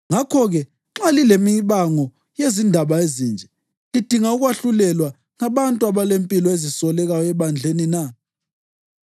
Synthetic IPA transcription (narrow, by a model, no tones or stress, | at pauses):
ŋakʰɔɣɛ | ǁalilemiβaŋɔ | jezindʱaβaezind͡ʒʱɛ | lid̥ʱiŋauɣwaɬulɛlwa | ŋaβantʼuaβalempʼilɔezisɔlɛɣajɔɛβand͡ɮʱenina